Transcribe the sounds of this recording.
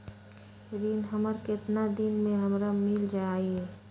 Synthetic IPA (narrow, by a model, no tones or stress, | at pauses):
d̪inɦəməɾkɪt̪nad̪inmẽɦəmɾamɪld͡ʒai